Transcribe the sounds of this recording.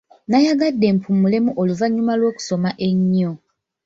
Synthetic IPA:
najaɡadːe̞ːmpʰumule̞muʔoluvaɲːumalwo̞ːku̥so̞maʔe̞ɲːo

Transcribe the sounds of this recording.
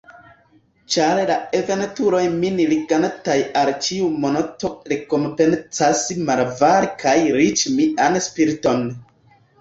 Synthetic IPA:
t͡ʃaɾlaeve̞ntuɾo̞jminiliɡantajalt͡ʃiumonotoɾekompe̞nt͡sasmaɾvaɾkajɾit͡ʃmiʔanspiɾito̞n

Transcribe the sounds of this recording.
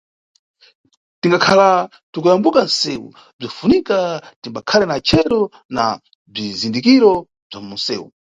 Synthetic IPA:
tiŋɡakʰala | tukujambukansɛwṵ | b͡ʐifunikatimbakʰalɛnat͡ʃʰɛɾɔ | na̰ | b͡ʐizindikiɾɔ | b͡ʐamunsɛ̰ːwṵ

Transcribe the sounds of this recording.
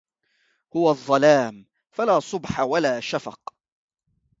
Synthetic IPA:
hʊwaðˤːɑlaːm | falaːsˤʊbħawalaːʃafɑ̰q

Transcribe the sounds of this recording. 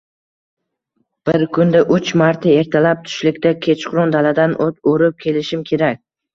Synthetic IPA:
b̥ɪɾkʰʊnd̪aʔʊt͡ʃmaɾt̪ʰae̞ɾt̪ʰalap̚t̪ʰʊ̥ʃlɪkʲt̪akʲʰe̞t͡ʃqʊɾɒnd̪alad̪anʔot̪oɾɪp̚kʲʰe̞lɪʃɪmkʲʰe̞ɾakʲ

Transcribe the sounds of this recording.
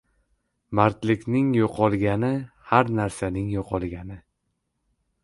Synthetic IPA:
maɾt̪lɪkʲnɪŋjoqʰɒlˠɡʲanɪ | haɾnaɾsanɪŋjɒqʰɒlˠɡʲanɪ

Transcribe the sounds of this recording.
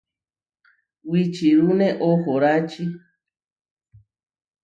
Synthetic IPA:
wit͡ʃiɾunẽʔohoɾat͡ʃi

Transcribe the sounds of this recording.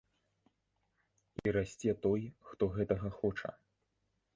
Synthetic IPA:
iɾasʲt͡sʲɛt̪ɔjxt̪ɔɣɛt̪ɐɣɐxɔt͡ʂɐ̰

